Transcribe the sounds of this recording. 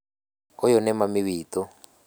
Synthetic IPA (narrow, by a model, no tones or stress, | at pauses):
ɔjɔnɛmamiβiːtɔ